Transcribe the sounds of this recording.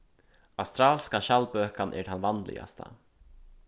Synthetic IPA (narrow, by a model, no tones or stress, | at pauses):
awst̪ɾaːlskaʃalbøːkanʔɛ̰ɾhanvanlɪ̰a̰st̪ʰa̰